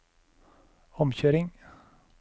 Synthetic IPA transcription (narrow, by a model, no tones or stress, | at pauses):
ɔmçøːɾɪŋ